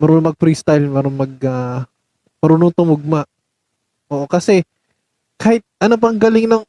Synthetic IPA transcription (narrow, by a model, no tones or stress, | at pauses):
mɐɾuːnŋmɐɡ̚pɾist̪ajlmɛːɾonmɐɡ̚a | mɐɾuːnoŋt̪ʊmʊɡ̚maʔ | ʔoːʔokɐsɛ | kaːhɪt̪̚ʔɐnop̬ɐŋɡɐlɪŋnɐŋ